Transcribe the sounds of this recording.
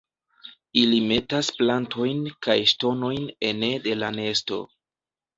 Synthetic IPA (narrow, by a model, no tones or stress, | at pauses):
ilime̞tasplantʰo̞jnkajʃto̞no̞jne̞ne̞de̞lane̞sto̞̰